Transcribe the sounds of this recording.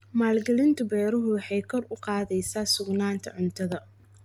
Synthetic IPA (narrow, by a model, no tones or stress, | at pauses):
maːlɡɐlɪnt̪ʰɐbɛːɾɐɦʊwɑħɑjkʰɔrʊqɑːðɛjsaːsʊɡnaːnt̪ʰɐ̰ʕʊnt̪ʰɐðɐ